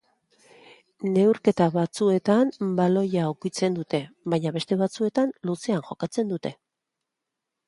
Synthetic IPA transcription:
ne̞wɾke̞t̪aβat͡sue̞t̪ambalo̞jaːwkit͡se̞nd̪ut̪e̞βaɲaβe̞st̪e̞βat͡sue̞t̪anluse̞aŋxo̞kat͡se̞nd̪ut̪e̞

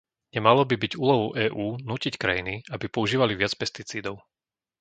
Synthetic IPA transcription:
ɲɛmalɔbibiɟuːlɔɦɔʊʔɛːʔuːnuːcickɾa̰jiniabipɔuʒiːʋaliʋɪat͡spɛst̪it͡siːd̪ɔʊ

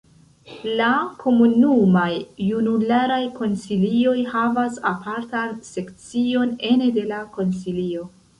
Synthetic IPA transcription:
lakʰo̞munumajːunulaɾajko̞nsilio̞jhavasapʰaɾtanse̞kt͡sio̞ne̞nede̞lako̞nsilio̞

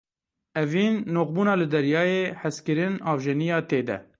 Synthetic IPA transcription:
ɛviːnːoːqbuːnɑːlɨd̪ɛɾjɑːjeːħæskɨɾɪnɑːvʒɛnijɑːt̪eːd̪ɛ̰

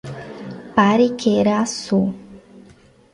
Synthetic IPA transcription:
paɾikʰeɾasu

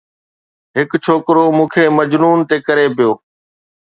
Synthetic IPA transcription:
ɦɪkt͡ʃʰoːkɾoːmũːkʰeːməd͡ʒnuːnt̪eːkəɾeːpɪjoː

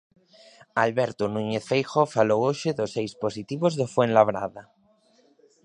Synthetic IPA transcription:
alβeɾt̪unũɲeθfejxofalowoʃeðosejsposit̪iβozðofwenlaβɾa̰ða

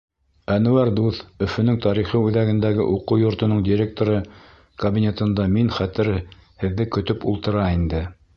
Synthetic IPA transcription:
ænʉ̆wæɾd̪uθɵ̆fɵ̆nɵŋt̪ɑɾiχɤʉðæɡɘ̆nd̪æɡɘ̰ʔuquwjŏɾt̪ɤ̆nɤɴd̪ʲiɾʲek̚t̪oɾɤ | kɐbʲinʲe̞t̪ɤ̆nd̪ɑminχæt̪ɘɾhɘ̆ðːɘkɵ̆t̪ɵpulˠt̪ɤ̆ɾɑind̪ɘ

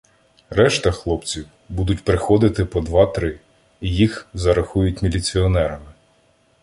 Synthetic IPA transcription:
ɾɛʃt̪ɐxlˠɔpt͡sʲiw | bud̪ʊt̚ʲpɾɪxɔd̪ɪt̪ɪpɔd̪ʋɑt̪ɾɪː | jixzɐɾɐxujʊtʲmʲilʲit͡sʲiɔnɛɾɐmɪ

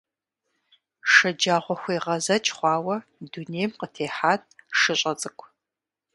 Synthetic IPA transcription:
ʂɐd͡ʒaːʁʷɔxʷiːʁɐzɐt͡ʃʰʼχʷɑːwɐduneːjmqətʰeːħaːt̚ʰʼʂɨɕʼɐt͡sʼɨkʷʰ

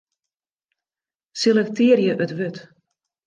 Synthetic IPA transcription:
selɛk̚tʰɪərjəʔøtʋøt

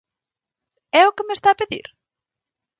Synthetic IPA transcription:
ɛokɪmest̪aːpeðḭɾ

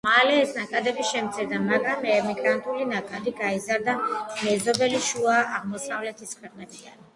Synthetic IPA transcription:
malɛːsnakʼad̪ɛbiʃɛmt̪sʰiɾd̪amaɡɾamɛmiɡɾant̪ʼulinakʼad̪iɡaizaɾd̪amɛzɔbɛliʃuaːʁmɔsavlɛt̪ʰiskʰwɛqʼnɛt̪ʰian

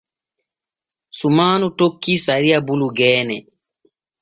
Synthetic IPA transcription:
sumaːnutokːisaɾijabuluɡɛːnɛ

